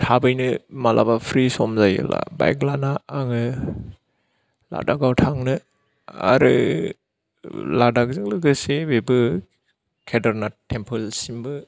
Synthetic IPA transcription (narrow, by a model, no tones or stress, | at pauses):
tʰabɯjnɯmalʔa̰bapʰɾisɔmzajɯ̰la̰ba̰jɡlanaːŋɯ | la̰daɡawtʰaŋnɯ | a̰ɾɯ̰ | ladaɡzɯŋlɯɡɯsebebɯ | kʰedaɾnatʰːempʰɯlsimbɯ